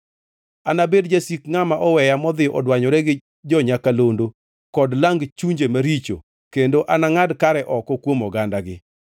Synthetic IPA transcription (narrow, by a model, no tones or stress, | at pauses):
anabedd͡ʒasikŋamaʔɔwɛjamɔd̪ɪɔʔɔdwaɲɔɾɛɡɪ | d͡ʒɔɲakalondo | kɔdlaŋɡt͡ʃuɲd͡ʒemaɾit͡ʃo̰ | kendoʔanaŋadkaɾɛʔɔkɔkwomɔɡandaɡɪ